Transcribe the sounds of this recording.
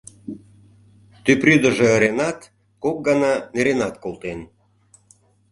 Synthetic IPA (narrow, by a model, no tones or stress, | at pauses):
t̪ypryd̪əʒeːɾenɑt̪ | kok̚ɡɑnɑneɾenɑt̪kolˠt̪en